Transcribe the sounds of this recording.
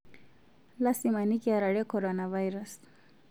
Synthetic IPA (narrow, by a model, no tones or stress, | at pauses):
lasimanikiaɾaɽekoɾonawajɾas